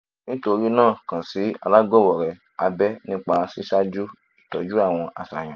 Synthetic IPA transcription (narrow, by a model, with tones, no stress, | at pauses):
nĩ˦to˧ɾi˦nãː˦˨kã˨si˨˦a̰˧la˦ɡɔ˦˨wɔ˨ɾɛ˨ | a˧bɛ˦nĩ˦k͡pa˧si˦sa˦d͡ʒu˦ | i˨tɔ˨˦d͡ʒu˦a˦˨w̃ɔ̃˧ʔa̰˨sa˨j̃ã˨